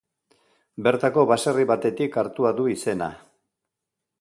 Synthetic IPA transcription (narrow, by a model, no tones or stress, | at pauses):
be̞ɾt̪ako̞βasariβat̪e̞t̪ikaɾt̪uaðuise̞na̰